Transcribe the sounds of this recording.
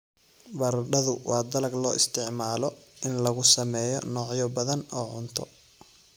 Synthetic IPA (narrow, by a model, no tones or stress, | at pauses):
bɐrɖɐðʊwʔɑːd̪ɐlɐɡlɔːʔɪst̪ʰɪʕmaːlɔɪnlɐɣʊsɐmɛːjɔ̰nɔːʕjɔbɐðɐnɔːʕʊnt̪ʰɔ